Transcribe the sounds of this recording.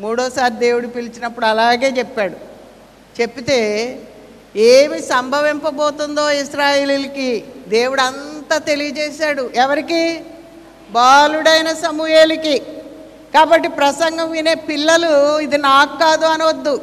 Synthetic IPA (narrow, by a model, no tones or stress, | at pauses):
muːɽɔːsaːɾd̪e̞ːwuɽupilit͡ʃinɐpːuɽuɐlaːɡe̞ːt͡ʃɛpːaːɽu | t͡ʃe̞pːit̪e̞ː | eːmisɐmbʱɐʋimpɐbɔːt̪und̪o̞ːiʃɾaːjeːlilɐkid̪e̞ːwuɽɐnt̪aːt̪e̞lijɐd͡ʒɛːʃaːɽuʔɛʋɐɾiki | baːluɽɐjnɐsɐmuɦeːliki | kaːbɐʈːipɾɐsɐŋɡɐmʋine̞ːpilːɐluid̪inaːkkːaːd̪uɐniʋɐd̪ːu